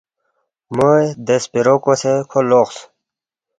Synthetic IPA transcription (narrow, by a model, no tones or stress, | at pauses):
mojd̪espiɾokosekʰoloχs